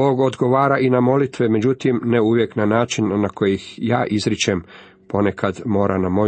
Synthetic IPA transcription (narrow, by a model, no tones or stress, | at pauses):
oːɡo̞d̪ɡo̞ʋaːɾaʔinamo̞lit̪ʋeme̞d͡ʑut̪imneuʋjeknanaːt͡ʃinːako̞jixjaːʔizɾit͡ʃem | po̞ne̞kʰad̪mo̞ːɾʔanamo̞